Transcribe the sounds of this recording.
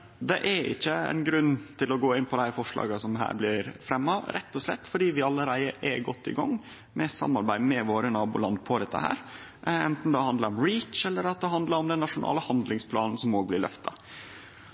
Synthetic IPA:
d̪ɛʔɛɪ̰çːəɛ̰ɪnɡɾʉnːt̪ʰɪlɔɡoːɪnːpʰɔd̪æɪɾfɔʂɭɑ̰ːɡəsɔmɦæ̰ːɾblɪɾfɾɛmːɑɾʔɛt̪ːɔslɛ̰t̪ːfɔɖiːʋɪɑlːəɾæɪəʔɛɡɔt̪ːɪ̰ɡɑ̰ŋː | mɛsɑ̰mːɑɾbæɪmɛʋoːɾənɑːbuːlɑnd̪pʰɔd̪ɛt̪ʰːə̰hæ̰ːɾ | ɛnt̪n̩d̪ɛhɑnd̪əɾɔmɾiːt͡ʃɛlːəɾɑt̪̚d̪ɛɦɑnd̪ləɾɔmd̪ɛnːɑʂʊnʔɑ̰ːləhɑnd̪lɪŋspʰlɑːnn̩sɔmoːɡ̚blɪɭœ̰ft̪ɑ

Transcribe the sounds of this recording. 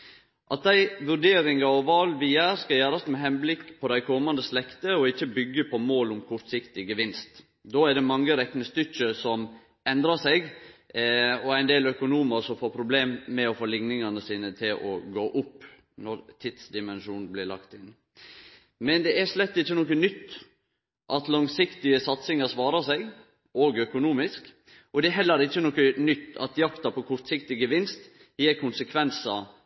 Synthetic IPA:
ʔɑt̪̚d̪æɪʋʉɾɖeːɾɪŋɑɔʋɑlʋiːæɾskɑjæːɾɑsmɛɦɛnblɪkːpʰɔd̪æɪkʰɔmɑnd̪əslɛkt̪əɔɪçːəbʏɡːəpʰɔmoːlʊmkʰʊɾt̪sɪkt̪ɪɡəʋɪnst̪ | d̪oːæɖɛmɑŋːəɾɛknəst̪ʏçəsɔm | ɛnd̪ɾɑsɛɪɡ | ɔæɪnd̪eːlœkʊnuːməɾsɔmfoːɾpʰɾʊbleːmːɛɔfoːlɪŋnɪŋɑnəsiːnət̪ʰɪlʔɔ̰ɡoːʔʊpː | nɔɾt̪ʰɪt̪sd̪ɪmɛnʃuːnn̩blɪɭɑ̰kt̪ɪn | mɛnd̪ɛæʂlɛt̪ːɪt͡ʃːənɔkənʏt̪ː | ʔɑt̪lɑŋsɪkt̪ɪəsɑt̪sɪŋɑɾsʋɑːɾəsæɪɡ | oːɡœkʊnuːmɪsk | ʔɔd̪ɛɛɦɛlːəɾɪt͡ʃːənɔkənʏt̪ːɑ̰t̪jɑkt̪ɑpʰɔkʰʊɾt̪sɪkt̪ɪɡəʋɪnst̪ | jeːɾkʰʊnsəkʰʋɛnsɑ

